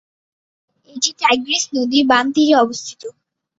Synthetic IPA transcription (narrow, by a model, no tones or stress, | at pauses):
eʈiʈajɡɾesnod̪ibant̪iɾeɔbost̪ʰi̥t̪o